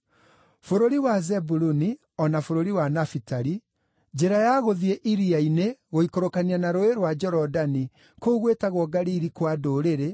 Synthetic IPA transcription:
foɾoɾiwazɛbuɾuni | ɔnafoɾoɾiwanafitaɾi | d͡ʒeɾajaɣoðieʔiɾiaineɣoikoɾokanianaɾoeɾwad͡ʒɔɾɔdani | kouɣwetaɣwɔɡaɾiɾikwadoːɾeɾe

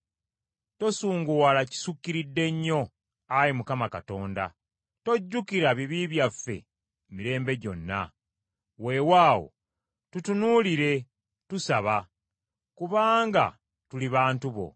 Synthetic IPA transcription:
to̞suːŋɡuwalaci̥sukːiɾidːe̞ɲːo̞ | ajimukamakato̞ːnda̰ | to̞ɟːukiɾaβiβiβjafːe̞̰ | miɾe̞ːmbe̞ɟo̞nːa̰ | we̞waːwo̞̰ | tutunuːliɾe̞ | tusaβa | kuβaːŋɡa̰ | tuliβaːntuβo̞̰

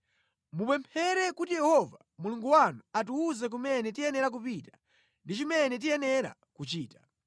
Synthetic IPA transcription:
mupɛmpʰɛɾɛkutijɛhɔva | muluŋɡuwanuatuːzɛk̬umɛnɛtijɛnɛɾak̬upita | ndit͡ʃimɛnɛt̬ijɛnɛɾa̰ | kut͡ʃiːta

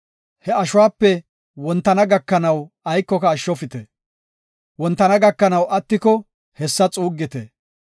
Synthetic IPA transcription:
hɛɐʃʊwaːpːɛ | wɔnt̪ːɐnɐɡɐkːɐnɐw | ɐjkːɔkɐːʃːɔfɪt̪ɛ | wɔnt̪ːɐnɐɡɐkːɐnɐwʔɐt̪ːɪkɔ | hɛsːɐt͡sʼuːɡːɪt̪ɛ

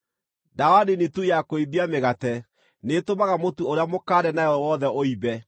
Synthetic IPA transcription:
dawadinetujakoibiameɣatɛ | netomaɣamotuoɾeamokaːɾɛnajɔwɔðɛʔoibɛ

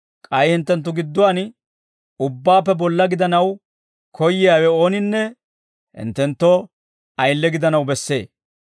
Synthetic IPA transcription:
kʼɐjhɪnt̪ːɛnt̪ːʊɡɪd̪ːʊwaːn | ʊbːaːpːɛbɔlːɐɡɪd̪ɐnɐw | kʰɔjːɪjaːwɛoːnɪnːɛ | hɪ̰nt̪ːɛnt̪ːɔ | ɐjlːɛɡɪd̪ɐnɐwbɛsːe̞̰ː

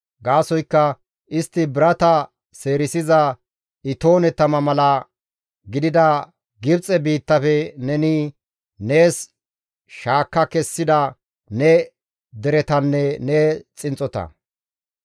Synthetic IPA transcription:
ɡaːsɔjkːɐ | ʔɪst̪ːɪbɪɾɐt̪ɐ | se̞ːɾɪsɪzɐ | ɪt̪o̞ːnɛt̪ɐmɐmɐlɐ | ɡɪd̪ɪd̪ɐ | ɡɪbt͡sʼɛbiːt̪ːɐfɛnɛnɪ | ne̞ːs | ʃaːkːɐkɛsːɪd̪ɐ | nɛ | d̪ɛɾɛt̪ɐnːɛnet͡sʼɪnt͡sʼɔt̪ɐ̰

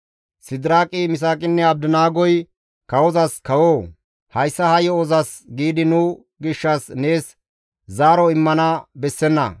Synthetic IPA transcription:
sɪd̪ɪɾaːkʼɪmɪs̬aːkʼɪnːɛɐb̚d̪ʊnaːɡɔj | kɐwɔzɐskɐwoː | hɐjsːɐhɐjɔɔzɐsɡiːd̪ɪnʊ | ɡɪʃːɐsne̞ːs | zaːɾɔɪmːɐnɐbɛsːɛnːɐ̰

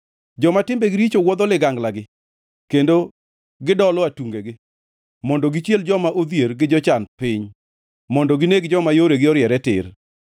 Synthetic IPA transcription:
d͡ʒɔmatɪmbeɡɪɾit͡ʃowɔd̪ɔlɪɡaŋɡlaɡɪ | kendo | ɡɪdɔlɔatuŋɡeɡɪ | mɔndɔɡɪt͡ʃjeld͡ʒɔmaʔod̪jeɾɡɪd͡ʒɔt͡ʃanpɪɲ | mɔndɔɡɪneɡ̚d͡ʒɔmajoɾeɡɪɔɾjɛɾɛtɪ̰r

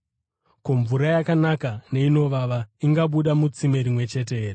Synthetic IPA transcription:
koɱvuɾajakanakane̞ino̞ʋaʋaiŋɡaɓuɗamut͡sime̞ɾimwe̞t͡ʃe̞t̬eeːre

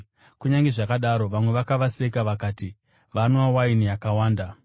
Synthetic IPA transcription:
kuɲaŋɡeʐakaɗaɾo̞ʋamwe̞ʋakaʋasekaʋakaːti | ʋanowawainijakawaːnda

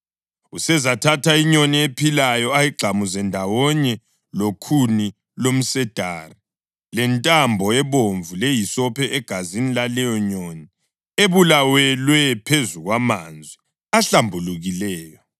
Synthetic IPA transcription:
usɛzatʰatʰaiɲɔniepʰilajɔajiɡ͡ǃʱamuzɛndʱawɔɲɛ | lokʰuni | lom̩sɛd̥ʱaːri | lɛntʼambʱɔɛβoɱvulejisɔpʰɛʔɛɡ̥ʱazinilalɛjɔɲɔni | eβulawɛlwɛpʰezuɣwamand͡zʱwi | aɬambʱuluɣilɛːjɔ

